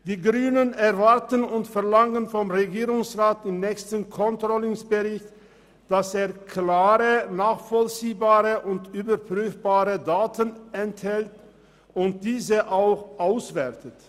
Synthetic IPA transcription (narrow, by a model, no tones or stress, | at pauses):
d̥iːɡʁyːnənɛɐvaɐtənʊntfɛɐlaŋənfɔmʁeɡiːʁʊŋsʁaːtɪmnɛːçstənkʰɔntʁ̥ɔlʊŋsb̥əʁɪçt | d̥aseːɐkʰlaːʁənaːχfɔlt͡siːbaːʁəʔʊntyːbɐpʁ̥yːfb̥aːʁədaːtənɛnthɛlt | ʊnt̚d̥iːzəʔaʊxʔaʊsv̥ɛtət